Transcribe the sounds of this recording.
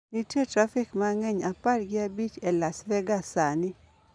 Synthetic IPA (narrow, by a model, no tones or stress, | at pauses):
nitetɾafɪkmaŋɛɲaparɡɪabit͡ʃɛlasvɛɡasanɪ